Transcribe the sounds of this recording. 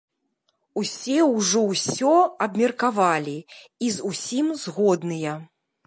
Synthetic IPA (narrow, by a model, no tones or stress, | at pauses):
usʲɛwʐɔwsʲɔɐbmʲɛrkavalʲiizusʲimzɣɔd̪nɨjɐ